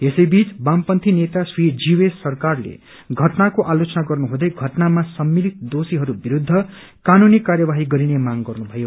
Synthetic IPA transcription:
esʌjbit͡sbampʌnt̪ʰinet̪asrid͡ziwesʌrkarlḛ | ɡʱʌʈnakoʔalot͡sʌnaɡʌrnuɦũd̪ʌjɡʱʌʈnamasʌmːilit̪̚d̪osiɦʌɾubiɾud̪ʱːʌ | kanunikarjʌbaɦiɡʌɾinemaŋɡʌrnubʱʌjo

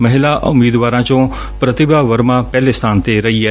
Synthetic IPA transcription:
mɐɦɪlaʔʊ̰miːd̪ʋaːɾãːt͡ʃõ | pɾət̪ɪbaʋəɾmãːpɛːlest̪ʰaːnt̪eɾɐiːɛː

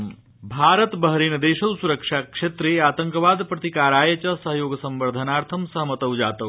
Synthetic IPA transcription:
bʱaːɾət̪bəɦɾeːnɐd̪eːʃɐwsuɾɐkʂaːkʂet̪ɾeaːt̪ɐŋkʋaːd̪pɾɐt̪ikaːɾaːjet͡ʃɐsɐɦjoːɡsɐmbɐɾd̪ʱɐnaːɾt̪ʰɐmsɐɦmɐt̪ɐwd͡ʒaːt̪ɐw

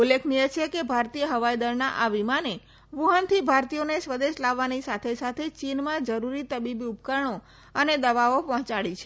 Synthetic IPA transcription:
ulːekʰnijet͡ʃʰekebʱaɾt̪ijəɦəʋajd̪əɾnaʔaʋimane | ʋuɦənt̪ʰibʱaɾt̪ijonesʋəd̪eʃlaʋːanisat̪ʰesat̪ʰet͡ʃinmãd͡ʒəɾuɾit̪əbibiupkəɾɳo | əned̪əʋaopɔɦt͡ʃaɭit͡ʃʰe

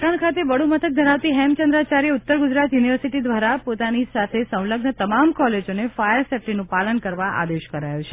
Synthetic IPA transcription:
ʈaɳkʰat̪eʋəɽumət̪ʰək̚d̪ʱəɾaʋt̪iɦɛmt͡ʃənd̪ɾat͡ʃaɾiʊt̪ːəɾɡʊd͡ʒɾat̪juniʋəɾsiʈid̪ʋaɾapot̪anisat̪ʰesə̃w̃ləɡnət̪əmamkɔled͡ʒonefajəɾsɛp̚ʈinũpalənkəɾʋaʔa̰d̪eʃkəɾajut͡ʃʰe

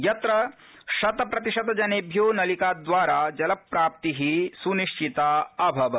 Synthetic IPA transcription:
jɐt̪ɾɐ | ʃɐt̪ɐpɾɐt̪iʃɐd̪ɐd͡ʒɐneːbʱjoːnɐlikaːd̪ʋaːɾaːd͡ʒɐlɐpːɾaːp̚t̪iɦisuniʂt͡ʃit̪aːɐbʱɐʋɐ

